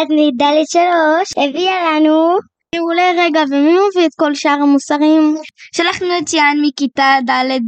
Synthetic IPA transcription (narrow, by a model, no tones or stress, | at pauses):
d̪nid̪aled̪ʃaloʃhevialanu | euleʁeɡavemimeviet̪ko̞lʃaːʁhamusaʁimʃalaχnuett͡ʃianmikitadaled